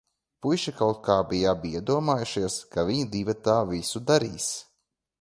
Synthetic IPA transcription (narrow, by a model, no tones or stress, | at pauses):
pujʃikawt̪̚kaːbijabiɛd̪uɔmaːjuʃiɛskaviɲid̪iːvat̪aːvisud̪aɾiːs